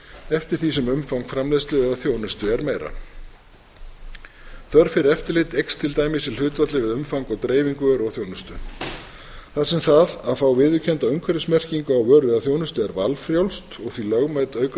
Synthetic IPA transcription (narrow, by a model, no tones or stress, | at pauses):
ɛft̪ɪɾ̥θis̬ɛmʏmfawŋkfɾamlɛst̪lɪðaθjoːwnʏst̪ʏɛɾmeːjɾa̰ | θœɾ̥fɪɾɪɾɛft̪ɪɾlɪt̪ejkst̪ʰɪlt̪aːjmɪsɪlʏːt̪vat̪lɪvɪðʏmfawŋkɔɣt̪ɾeːjviŋkʏvœːɾɔθjownʏst̪ʏ | θasɛmθaðaðfawvɪːðʏcʰɛnt̪aʏŋkʰvɛɾʏsmɛr̥ciŋkʏawœːɾɪðaθjownʏst̪ʏɛɾva̰lfɾjawlst̪ɔɣθvilœɣmajt̪œːɥk